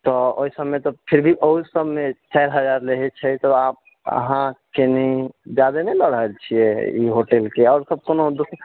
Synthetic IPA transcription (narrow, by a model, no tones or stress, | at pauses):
t̪ɔo̰isəbmet̪ɔpʰiɾbʱiʔoɦusəbmet͡ʃajɾɦəd͡ʒaɾleɦɛt͡ʃʰɛt̪ɔap̚ | ə̰ɦãkenid͡ʒad̪eneləɽɦəlt͡ʃʰiɛḭɦoʈelkeɔʊɾsəb̚konod̪usɾ